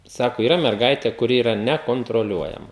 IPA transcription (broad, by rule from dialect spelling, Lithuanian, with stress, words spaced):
ˈsɑːkoː iːˈrɐ mʲɛrˈɡɐɪtʲeː kʊˈrʲɪ iːˈrɐ nʲɛkoːntroːˈlʲuɔjɛmɐ